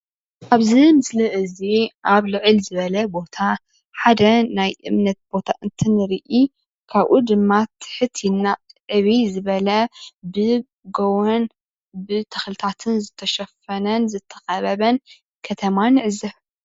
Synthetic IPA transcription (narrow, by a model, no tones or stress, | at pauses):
ʔaβzimɨslɨʔɨziʔaβlɨʕɨlzɨβɐlɐbo̞t̪ʰa | ħad̪ɐnajʔɨ̰mnɐt̪̚b̥o̞t̪ʰaʔɨnt̪ʰɨnɨɾiʔi | kʰaβʔud̪ɨmːat̪ʰːħɨt̪ʰjɪnaʕɨβizɨβɐlɐbɨ | ɡowɐn | bɨt̪ʰɨxlɨt̪ʰat̪ʰɨnzɨt̪ʰːɐʃɐfɐnɐnzɨt̪ʰːɐ̥xʼɐβɐβɐn | kʰɐt̪ʰɐmanɨʕɨzɐ